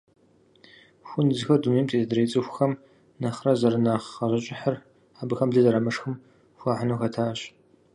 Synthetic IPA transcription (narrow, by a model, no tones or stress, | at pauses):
xʷʊnzɨxɐrdumeːmtʰʼeːzɨdɨɾeːt͡sʼɨxʷxɐm | nɐχrɐzɐɾɨnaːχɐʑɐɕʼɪħər | aːbɨxɐmɮɨzɐɾɐmɨʂxɨm | xʷaːħanoxɐtʰaːɕ